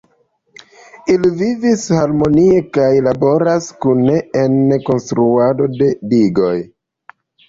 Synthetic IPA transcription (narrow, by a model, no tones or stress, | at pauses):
ilivivishaɾmo̞nie̞kajlabo̞ɾaskuneenko̞nstɾuado̞de̞diɡo̞j